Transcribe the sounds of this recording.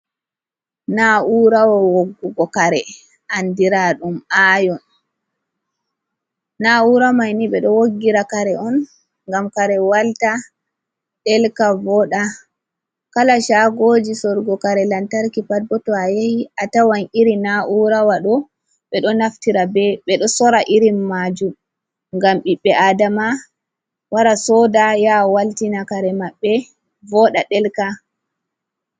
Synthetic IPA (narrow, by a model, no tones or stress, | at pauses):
naʔuɾawawoɡːuɡɔkaɾɛ | ʔandiɾaɗumajɔn | auɾamajniɓɛɗɔwoɡːiɾakaɾɛʔɔn | ŋɡamkaɾɛwalta | ɗɛlkavɔɗa | kalaʃaɡoːd͡ʒisɔɾɡɔkaɾɛlantaɾkipad̚bɔtɔajahiʔatawaniɾinaʔuɾawaɗɔ | ɓɛɗɔnaftiɾabɛɓɛɗɔsɔɾaʔiɾimːaːd͡ʒum | ŋɡamɓiɓːɛʔadama | waɾasɔdajawaltinakaɾɛmaɓːɛ | vɔɗaɗɛlka